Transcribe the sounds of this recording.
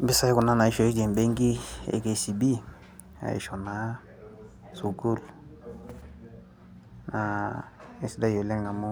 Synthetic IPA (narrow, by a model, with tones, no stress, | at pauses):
bi˦sa˦i˦kʊ˨na˦na˨i˦ʃo˨i˦d͡ʒe˨mbe˦ŋɡi˦ḛ˨˦ke˨si˨bi˦ | a̰˨ḭ˨ʃo˨na˨˦ | su˨ɡu˦l | na˨i˦sda˦jo˨lɛ˦ŋa˨mu˦